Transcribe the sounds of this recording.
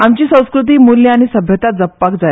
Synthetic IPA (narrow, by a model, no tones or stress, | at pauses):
amt͡ɕiːsə̃w̃skɾut̪̬iːmuljiaɽ̃isəbʱjət̪at̪̚d͡zəpːak̚d͡zaj